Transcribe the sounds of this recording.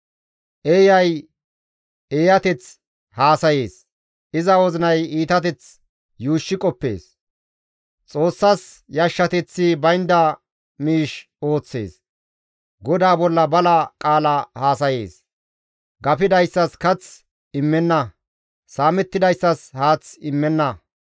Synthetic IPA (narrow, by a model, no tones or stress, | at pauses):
ʔejɐj | eːjɐt̪ɛt͡s | haːsɐje̞ːs | ɪzɐwɔzɪnɐjiːt̪ɐt̪ɛt͡s | juːʃːɪkʼɔpːe̞̰ːs | t͡sʼo̞ːsːɐs | jɐʃːɐt̪ɛt͡sːibɐjnd̪ɐ | miːʃ | o̞ːt͡sːe̞̰ːs | ɡɔd̪aːbɔlːɐbɐlɐkʼaːlahaːsɐjḛːs | ɡɐpɪd̪ɐjsːɐskɐt͡s | ɪmːɛnːɐ | saːmɛt̪ːɪd̪ɐjsːɐshaːt͡sɪmːɛnːɐ